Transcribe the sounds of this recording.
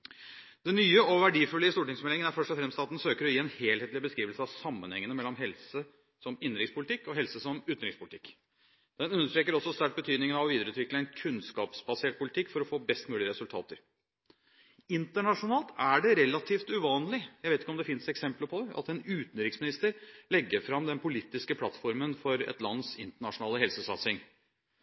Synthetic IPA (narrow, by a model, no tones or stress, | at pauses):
d̪̥ɛnːyːəɔʋæɖiːfʉlːəəst̪uːʈɪŋsmɛlɪŋənæɾfœʂʈɔfɾɛmst̪ɑːt̪n̩søːkəɾɔjiːɛnheːlheːt̪lɪbəskɾiːʋəlsəɑʋsɑmːənhɛŋːənəmɛlːɔmɦɛlsə | sɔmɪnːɾɪkspʰʊlɪt̪ʰɪkːɔɦɛlsəsɔmʉːt̪n̩ɾɪkspʊlɪt̪ɪkː | d̪̥ɛnʉnːəʂʈɾeːkəɾɔsːɔst̪æɾk̚bət̪ʰyːd̪nɪŋənɑʋɔʋiːd̪ɾʉːt̪ʋɪkləɛnkʰʉnskɑ̰ːpsbɑseːʈ̚pʰʊlɪt̪ʰɪkːfɔɾɔfoːbɛst̪mʉːlɪəɾɛsʉlt̪ʰɑ̰ːt̪əɾ | ɪnt̪əɳɑʂʊnɑːlt̪ʰæɖɛɾɛlɑt̪ʰiːft̪ʉʋɑːnlɪjæɪʋeɪt̪ɪkːɔmd̪ɛfɪnsɛksɛmpləpʰɔd̪ɛʔɑ̰t̪ɛnʉːt̪n̩ɾɪksmɪnɪst̪əɾlɛɡːəɾfɾɑmd̪ɛnpʊlit̪ːɪskəpʰlɑt̪fɔɾmənfɔɾɛ̰t̪lɑnːsɪnt̪əɳɑʂʊnɑːləɦɛlsəsɑt̪sɪŋ